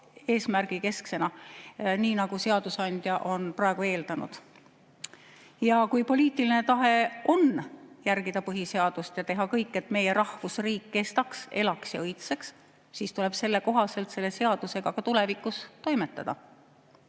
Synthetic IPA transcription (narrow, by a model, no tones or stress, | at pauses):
e̞ːsmærɡ̥ike̞skse̞nɑniːnɑɡ̥use̞ɑd̪̥usɑnd̪̥ʲjɑʔo̞nprɑeɡ̥ue̞ːld̪ɑnṵd̪̥ | jɑkujpo̞lʲiːt̪ːˑiline̞t̪ɑɦe̞ʔo̞njærɡ̥id̪̥ɑpɤɦise̞ɑd̪̥ust̪jɑt̪e̞ɦɑkɤjkːˑe̞t̪ˑme̞je̞ɾɑhvusriːkːe̞st̪ɑkse̞lɑksjɑ̰ɤjt̪se̞ks | siːst̪ule̞b̥se̞lːe̞ko̞ɦɑse̞lt̪se̞lːe̞se̞ɑd̪̥use̞ɡ̥ɑkɑt̪ule̞vikːˑust̪o̞jme̞t̪ːˑɑ̰d̪̥ɑ̰